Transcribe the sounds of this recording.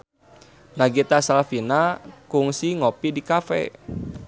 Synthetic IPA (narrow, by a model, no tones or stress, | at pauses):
naɡit̪asalafinakuŋsiŋopidikafɛ̰